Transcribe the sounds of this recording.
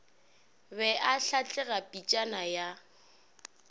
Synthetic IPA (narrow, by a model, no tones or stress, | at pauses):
bɛʔaɬat͡ɬʼɛɣapʼit͡ʃʼanaja